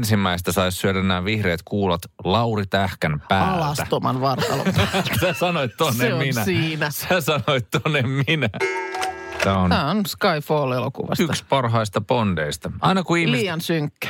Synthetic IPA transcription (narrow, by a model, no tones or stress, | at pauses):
nsimːæist̪æsɑissyødænːæːʋihreːt̪kuːlɑt̪lɑurit̪æhkænpæːlɑlɑst̪æt̪omɑnʋɑrt̪ɑ̰lo̰sæsɑnoet̪t̪onːemminæsiːnæsæsɑnoet̪t̪ːonːemminæ | t̪æonæːonskɑifoːlelokṵʋɑ̰syt̪kspɑrɦɑist̪ɑpond̥eist̪ɑʔɑinɑkuihlmiiːjɑnsyŋkːæ̥